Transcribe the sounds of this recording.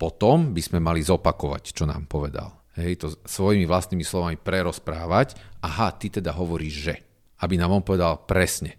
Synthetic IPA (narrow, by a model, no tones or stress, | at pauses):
pɔt̪ɔmbiz̥mɛmalizɔpakɔʋa̰ct͡ʃɔna̰ːmpɔʋɛd̪a̰l | ɦɛjt̪ɔsʋɔjimiʋlast̪niːmislɔʋamipɾɛɾɔspɾaːʋacaɦat̪it̪ɛd̪aɦɔʋɔɾiːʒʒɛ | abinaːmɔmpɔʋɛd̪alpɾɛsɲɛ